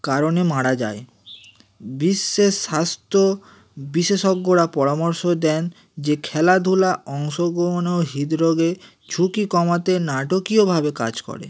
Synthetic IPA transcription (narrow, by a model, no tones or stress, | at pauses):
kaɾonemaɽad͡ʑa̰e | biʃːeʃast̪o | biʃeʃoɡːoɾapɔɾamoɾʃod̪ɛn | d͡ʑekʰɛlad̪ʱulaɔŋʃoɡoɦnoɦid̪ɾoɡe | d͡ʑʱukikɔmat̪enaʈokiobʱabekad͡ʑkɔ̰ɾḛ